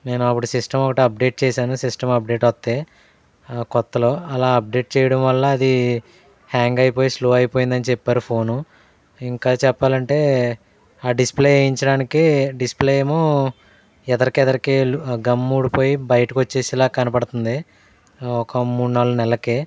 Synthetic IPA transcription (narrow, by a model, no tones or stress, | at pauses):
ne̞ːnuɐpːuɽusisʈɐmɔkɐʈiɐp̚ɖe̞ːʈ̚t͡ʃɛːsaːnusisʈɐmɐp̚ɖe̞ːʈʋɐt̪ːeː | kɔt̪ːɐlo̞ːɐlaːɐp̚ɖe̞ːʈ̚t͡ʃɛːjɐɽɐmʋɐlːɐːd̪i | haːŋɡɐjipo̞ːjisloːɐjipo̞ːjind̪ɐnit͡ʃɛpːaːɾupʰoːnu | iŋkaːt͡ʃɛpːaːlɐɳʈe̞ː | aːɖispleːiɲt͡ʃɐɽaːnikiɖispleːjemo | ɛd̪ɐɾikiɛðɐɾikiɡɐmːuːɽipo̞ːjibɐjɐʈɐkiʋot͡ʃːe̞ːsilaːkɐnɐpɐɽɐt̪und̪i | ɔkɐmuːɽunaːlːɐnɛlːɐke